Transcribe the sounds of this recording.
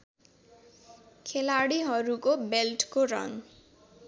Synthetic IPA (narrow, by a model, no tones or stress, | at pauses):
kʰelaɽiɦʌɾukobelʈkorʌ̰ŋ